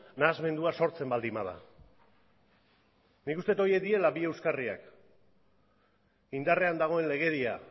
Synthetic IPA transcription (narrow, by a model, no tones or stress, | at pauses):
naːzme̞nd̪uaso̞ɾt͡se̞mbald̪imað̞a̰ | nikust̪e̞t̪o̞je̞k̚d̪ie̞labie̞wskaria̰k | ind̪are̞and̪aɣ̞o̞e̞nle̞ɣ̞e̞ɾia